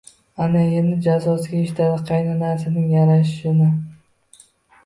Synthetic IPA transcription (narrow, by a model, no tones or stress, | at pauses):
anajenɪd͡ʒazɒsɪɡʲaeʃɪt̪ʰad̪ɪqʰɑjnanaɾsɪnɪŋjaɾaʃɪnɪ